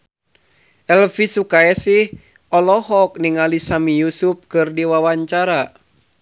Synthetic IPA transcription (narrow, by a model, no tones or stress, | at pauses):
ʔɛlfisukaɛsih | ʔɔlɔɦɔk̚niŋalisamijusup̚kɨrdiwawaɲt͡ʃaɾa